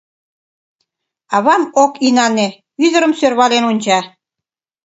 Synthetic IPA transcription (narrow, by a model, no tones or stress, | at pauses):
ɑβɑmokinɑne | yðə̆ɾəmsørβɑlenunʲd͡ʑɑ